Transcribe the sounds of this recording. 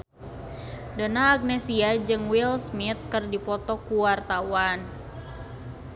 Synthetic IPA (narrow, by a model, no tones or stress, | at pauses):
danaːk̚nɛsiad͡ʒɨŋwilsmit̪̚kərdipɔt̪ɔkuwart̪awan